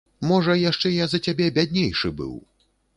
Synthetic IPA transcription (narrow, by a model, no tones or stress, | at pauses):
mɔʐɐjaʂt͡ʂɛjazɐt͡sʲabʲɛbʲad̪ʲnʲejʂɨbɨ̰w